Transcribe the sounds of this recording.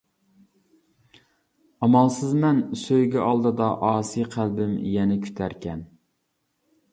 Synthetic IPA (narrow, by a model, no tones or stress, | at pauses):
ɑmɑlˠsɨzmɛnsøjɡʲɛʔɑlˠd̪ɨd̪ɑʔɑːsijqʰælbɪmjɛnɛkʲʰy̥t̪ʰæɾkʲɛn